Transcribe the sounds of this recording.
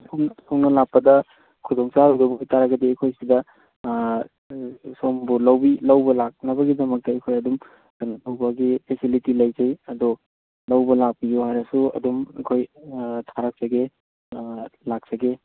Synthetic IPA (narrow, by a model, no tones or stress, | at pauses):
suŋnsoŋnɐlak̚pːɐdɐ | kʰudɔŋsaɾudɐbjtaɾɐɡɐdeːkʰojsidɐ | sombulɐwbilɐwbɐlak̚nɐbɐɡidɐmɐk̚tɐɐkʰojɐdum | danɐtʰowbɐɡipʰesilitilɐjd͡ʒɐjɐdo | lɐwbɐlak̚pijuhajɾɐsuɐ̰dumɐ̰kʰojtʰaɾak̚sɐɡe | lak̚sɐɡe